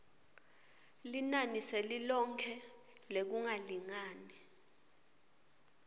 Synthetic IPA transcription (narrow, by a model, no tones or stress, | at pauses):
linanisɛlilɔŋkʰɛ | lek̬uŋaliŋaːnɛ